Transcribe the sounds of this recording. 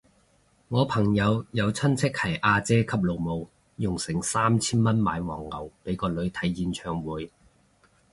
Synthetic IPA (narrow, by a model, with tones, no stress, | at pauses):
ŋɔː˨˧pʰɐ˨˩ŋjɐ˨˧wjɐ˨˧wt͡sʰɐ˥nt͡sʰɪ˥k̚hɐ˨˩jʔaː˧t͡sɛː˥kʰɐ˨˥p̚lo˨wmo˨w | jʊ˨˩ŋsɪ˨˩ŋsaː˥mt͡sʰiː˥nmɐ˥nmaː˨˧jwɔ̰ː˨˩ŋːɐ˨˩wpe˨˥jkɔː˧lɵ˨˧ɥt̪ʰɐ˨˥jːiː˨˧nt͡ʃʰœː˨˩ŋwuː˨˥j